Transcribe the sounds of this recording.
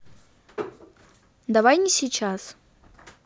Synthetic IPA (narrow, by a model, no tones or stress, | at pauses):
d̪avajnʲisʲit͡ʃʰas